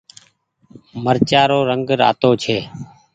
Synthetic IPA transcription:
məɾt͡ʃaːɾoːɾəŋɡɾa̰ːt̪oːt͡ʃʰeː

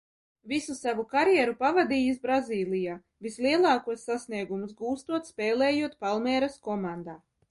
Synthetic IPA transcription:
visusavukaɾjɛːɾupavad̪iːjisbɾaziːlˠijaː | vislˠiɛlˠɑːkuɔsːasniɛɡumusɡuːst̪uɔt̪spɛːlɛːjuɔt̪̚palˠmɛːɾaskɔmand̪aː

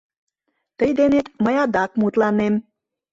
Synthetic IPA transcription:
t̪əjd̪enet̪məjɑd̪ɑkmut̪lɑnem

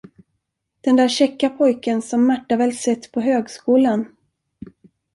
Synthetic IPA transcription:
d̪̥ɛnd̪æːɾɕɛkːapʰɔjkənsɔmːaʈːavɛːlsɛt̪ːpʰɔɦøːɡskuːlan

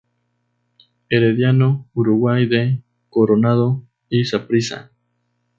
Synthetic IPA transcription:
eɾeðjanouɾuɣwajðe | koɾonað̞o | isapɾisa̰

